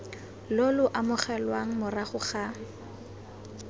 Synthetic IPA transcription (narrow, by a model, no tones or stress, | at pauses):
lolʊʔamʊχɛlwaŋ̩mʊraχʊχa